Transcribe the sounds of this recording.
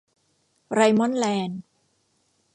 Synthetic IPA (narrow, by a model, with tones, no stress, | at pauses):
ɾa˧jmɔ˦˥nlɛː˧n